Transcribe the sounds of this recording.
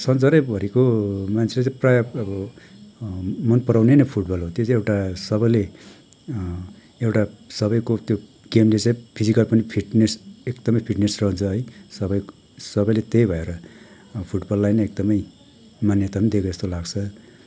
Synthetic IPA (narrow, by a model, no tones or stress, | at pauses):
sʌnt͡sʌɾʌjbʱʌɾekomant͡sʰelet͡saĩprajaʌbʌ | mʌnpʌɾawnenʌpʰuʈbʌlɦot̪jot͡sãewʈasʌbʌjle | ewʈasʌbʌjkot̪jo | ɡ̥emlet͡saĩpʰid͡zikʌlpʌnipʰiʈnesekd̪ʌmʌjpʰiʈnesrʌɦũnt͡sʰʌɦʌjsʌbʌj | sʌbʌjlet̪ejbʱʌeɾʌ | pʰuʈbʌlːajnʌek̚d̪ʌmʌj | manjʌt̪aund̪ekoest̪olaɡt͡sʰʌ